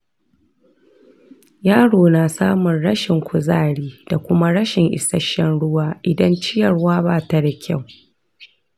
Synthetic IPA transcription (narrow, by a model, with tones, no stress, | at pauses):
jaː˦ɽoː˨naː˨saː˦mʊ˨nɽɐ˦ʃɪ˨ŋkʷʊ˨zaː˦˨ɽiː˦d̥a˨kʷʊ˦ma˦ɽɐ˦ʃɪ˨ŋʔɪ̰˨sɐ˦ʃːɛ˦nɽʊ˦waː˦ʔɪ˨dɐ˦nt͡ʃɪ˦jɐ˨ɽwaː˦baː˦˨ta˨da˨kʲʰa˦˨w